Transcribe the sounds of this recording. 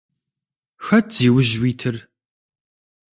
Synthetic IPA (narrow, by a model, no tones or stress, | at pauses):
xɐtʰz̥iːwʊʑwiːtʰɨr